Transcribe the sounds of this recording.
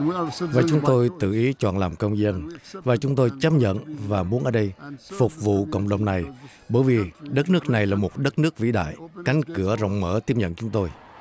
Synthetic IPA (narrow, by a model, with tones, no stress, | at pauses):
vaː˨˩t͡ɕʊ˨˦ŋ͡mt̪o˧jt̪ɨ̰˧˨ʔi˨˦t͡ɕwa̰ː˧˩nlaː˨˩mkə˧wŋ͡mzə˧nvaː˨˩t͡ɕʊ˨˦ŋ͡mt̪o˧jt͡ɕə˦˥p̚ɲə̰˧˨nvaː˨˩mu˨˦ənʔəː˧˩˦ɗə˧jfʊ˨˩k͡p̚vṵ˧˨kə̰˧˨wŋ͡mɗə̰˧˨wŋ͡mna˨˩j | ɓəː˧˩jvi˨˩ɗə˦˥t̚nɨ˦˥ək̚na˨˩jlaː˨˩mo˨˩t̚ɗə˦˥t̚nɨ˦˥ək̚vḭ˧˥ɗa̰ː˧˨jka˨˦jŋ̟kɨ˧˩əzə̰˧˨wŋ͡mməː˧˩˦t̪i˦˥əp̚ɲə̰˧˨nt͡ɕʊ˨˦ŋ͡mt̪o˧j